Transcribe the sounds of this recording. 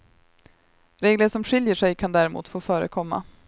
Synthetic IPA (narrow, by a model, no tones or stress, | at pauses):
ɾeːɡləʂɔmɧɪljəʂɛjkʰand̪æːɾɪmṵːt̪foːfœːɾə̰kʰɔmːa̰